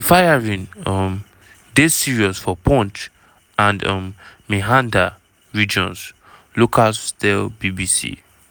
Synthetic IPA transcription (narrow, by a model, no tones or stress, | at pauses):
fajaɹĩnɔm | desiɹiɔsfɔpɔ̃nt | ãndɔ̰mmiɦãnda | ɹid͡ʒɔ̰̃ns | lokʰalstɛlbibisḭ